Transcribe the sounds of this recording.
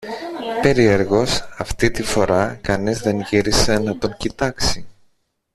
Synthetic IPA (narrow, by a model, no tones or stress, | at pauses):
pe̞ɾie̞ɾɣo̞sɐft̪it̪ifo̞ɾɐkɐnizðe̞nʝiɾise̞nɐt̪o̞ŋcit̪ɐksi